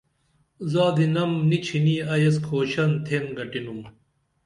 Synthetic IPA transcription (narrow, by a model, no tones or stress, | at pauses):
zaːd̪inɐmnit͡ɕʰiniɐjɐskʰoːɕɐnt̪ʰenɡɐʈinum